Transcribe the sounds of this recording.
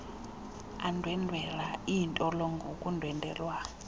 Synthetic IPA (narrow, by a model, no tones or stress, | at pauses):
andʱwɛndʱwɛlaiːntʼɔlɔŋɡʱokʼundʱwɛndʱɛ̰lwa